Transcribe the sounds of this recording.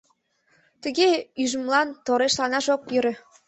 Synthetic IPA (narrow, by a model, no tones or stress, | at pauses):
t̪ə̆ɣeyʒə̆mlɑnt̪oɾeʃlɑnɑʃokjøɾĕ